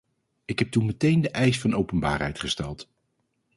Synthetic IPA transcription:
ɪkɦɛp̚tunmɛtejndəʔɛjsfɑnowpənba̰ːrɦɛ̰jtχəstɛlˠt

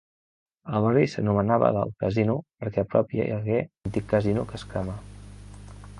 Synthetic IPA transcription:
əlˠβərisənumənaβə̰ðə̰lˠkəzinupəɾkɛpɾɔpjə̰jəɣeənt̪ikːəzinukəskamə

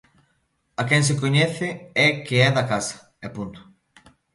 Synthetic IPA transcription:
ɐkɛŋs̬ɪkoɲɛθɪɛkeɛðakasɐ̥ | ɛpunt̪ʊ̥

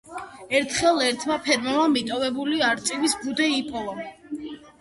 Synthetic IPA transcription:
ɛɾt̪ʰχɛlˠɛɾt̪ʰmapʰɛɾmamamit̪ʼɔvɛbuliaɾt̪sʼivisbud̪ɛipʰɔva

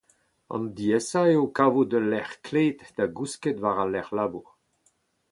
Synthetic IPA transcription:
ɑ̰̃nd̪iɛsaeokavod̪əlɛʁkleːt̪d̪̥aɡusket̪vaʁalɛʁlabuʁ

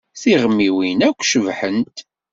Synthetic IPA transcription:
θiʁəmːiwinækʷːʃəvħənt̪

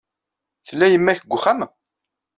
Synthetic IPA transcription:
θəlːæjəmːæçəɡʷːχæm

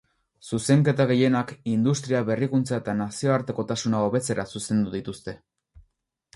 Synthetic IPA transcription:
suse̞ŋke̞t̪aɣ̞e̞je̞nakind̪ust̪ɾiaβe̞rikunt͡sae̞t̪anasio̞aɾt̪e̞ko̞t̪asunao̞βe̞t͡se̞ɾasuse̞nd̪uðit̪ust̪e̞

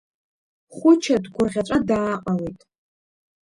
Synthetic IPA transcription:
χʷʊt͡ʃʰadɡʷʊrʁʲaʈ͡ʂʷʼadaːqʼawejtʼ

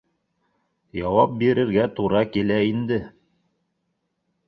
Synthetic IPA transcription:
jɑwɑp̚biɾɘ̆ɾɡæt̪uɾɑkilæind̪ɘ

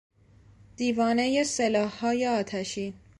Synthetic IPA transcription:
d̪̥iːvɒːne̞jeselɒːhːɒːje̞ɒːt̪ʰæʃiːn

